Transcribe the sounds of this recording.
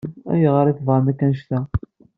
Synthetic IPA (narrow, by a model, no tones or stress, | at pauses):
æ̰jʁəɾiθvəɾˤnækːænʃt̪æ